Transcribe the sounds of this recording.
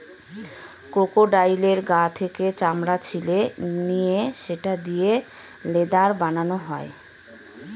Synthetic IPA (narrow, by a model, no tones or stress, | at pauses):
kɾokoɖajleɾɡat̪ʰeket͡ɕamɾat͡ɕʰilenijeʃeʈad̪ije | led̪aɾbananoɦɔe